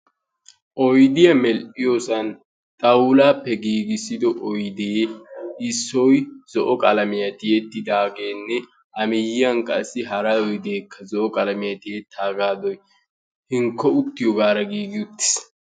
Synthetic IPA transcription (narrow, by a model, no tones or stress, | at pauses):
ʔɔjd̪ɪjɐmɛlʔɪjosɐn | t̪ʼɐwlaːpːɛɡiːɡɪsɪd̪ɔʔɔjd̪eːʔɪsːɔjz̥ɔʔɔkʼɐlɐmɪjɐt̪ɪjet̪ːɪd̪aːɡeːnːɛ | ʔɐmɪjɪjɐŋkʼɐsːɪɦɐɾɐjɔjd̪e̞ːkːɐzɔʔɔkʼɐlɐmɪjɐt̪ɪjet̪ʰːaːɡaːd̪ɔj | hɪŋkːɔʊt̪ːɪjɔɡaːɾɐɡiːɡɪʊt̪ːɪ̥s